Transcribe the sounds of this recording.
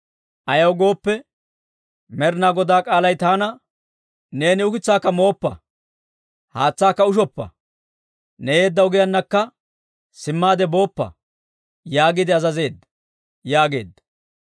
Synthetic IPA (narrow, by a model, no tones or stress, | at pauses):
ʔɐjɐwɡo̞ːpːɛ | mɛɾnaːɡɔd̪aːkʼaːlɐjt̪aːnɐ | ne̞ːnɪʊkɪt͡sːaːkːɐmo̞ːpːɐ̰ | haːt͡sːaːkːɐʊʃ̬ɔpːɐ̰ | nɛje̞ːd̪ːɐʊɡɪjɐnːɐkːɐ | sɪmːaːd̪ɛbo̞ːpːɐ̰ | jaːɡɪd̪ɪɐzɐze̞ːd̪ːɐ | jaːɡe̞̰ːd̪ːɐ